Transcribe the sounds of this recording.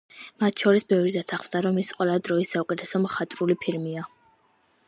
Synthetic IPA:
mat̪ʰʃʰɔɾisbɛvɾid̪at̪ʰaχmd̪aɾɔmisqʼwɛlˠad̪ɾɔisaukʼɛt̪ʰɛsɔmχat̪ʼɾulipʰiɾmia

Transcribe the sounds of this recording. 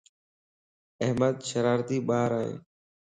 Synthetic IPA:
əɦməd̪ʃəɾaːɾt̪iːɓaːɾaːɦḛː

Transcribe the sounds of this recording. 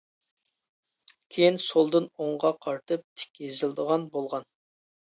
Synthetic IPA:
kʲʰejinsolˠd̪ɨnoɴʁɑqʰɑɾt̪ʰɨp̚t̪ʰɪ̥kʲjezɪld̪əʁɑnbolˠʁɑn

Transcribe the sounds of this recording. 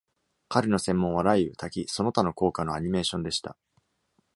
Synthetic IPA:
kaɾɯ̟no̞sẽ̞mːõ̞ɰ̃βaɾaiɯ̟t̪ʰakʲiso̞not̪ano̞ko̞ːkano̞aɲ̟ime̞ːɕõ̞nd̪e̞ɕi̥t̪a̰

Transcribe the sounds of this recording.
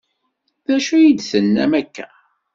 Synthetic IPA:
ðæʃujid̪θənːæ̰mækːæ

